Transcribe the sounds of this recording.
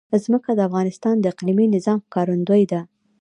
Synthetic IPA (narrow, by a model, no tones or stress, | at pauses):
zməkad̪əafɣɑnɪst̪ɑnd̪əɪqliminɪzɑmxkɑɾʊnd̪əjd̪a